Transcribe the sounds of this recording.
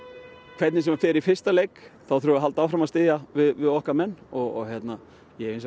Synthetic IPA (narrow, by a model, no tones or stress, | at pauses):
kʰv̥ɛt̪nɪsɛmɛɾfɪːɾɪɾifɪr̥st̪aleːjkθawθɾuaɦalt̪awfɾamast̪ɪːðjavɪðvɪðɔhkamɛnːɔɣɔɣçjɛt̪na | jɛens̬